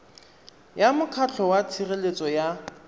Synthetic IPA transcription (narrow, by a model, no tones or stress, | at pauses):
jamʊkʰat͡ɬʰɔwat͡sʰirelet͡sʼɔja